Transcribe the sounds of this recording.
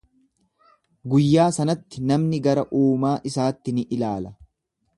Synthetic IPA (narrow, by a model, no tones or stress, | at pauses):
ɡʊjːaːsɐnɐt̪ːɪnɐmnɪɡɐɾɐʔuːmaːʔɪsaːt̪ːɪnɪʔɪlaːlɐ